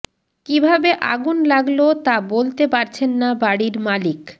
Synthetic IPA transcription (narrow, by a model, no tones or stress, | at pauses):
kibʱabeʔa̰ɡunlaɡlot̪abolt̪epaɾt͡ɕʰenːabaɽiɾmalik